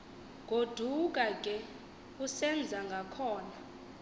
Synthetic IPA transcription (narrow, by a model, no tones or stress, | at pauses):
ɡ̥ʱod̥ʱuk̬ʼakʼɛ | usɛnd͡zʱaŋɡʱakʰɔːna